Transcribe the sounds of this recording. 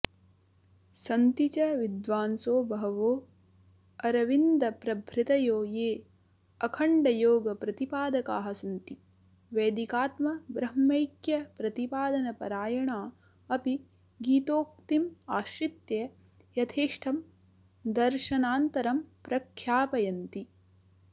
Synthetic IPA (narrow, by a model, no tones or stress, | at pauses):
sɐnt̪it͡ʃɐʋid̪ʋaːnsoːbɐɦɐʋoː | ɐɾɐʋind̪ɐpɾɐbʱɾɪt̪ɐjoːjeː | ɐkʰɐɳɖɐjoːɡɐpɾɐt̪ipaːd̪ɐkaːɦɐsɐnt̪i | ʋeːd̪ikaːt̪mɐbɾɐmːɐjkjɐpɾɐt̪ipaːd̪ɐnɐpɐɾaːjɐɳaː | ɐpi | ɡiːt̪oːk̚t̪imaːʃɾit̪je | jɐt̪ʰeːʂʈʰɐm | d̪ɐɾʃɐnaːnt̪ɐɾɐmpɾɐkʰjaːpɐjɐnt̪i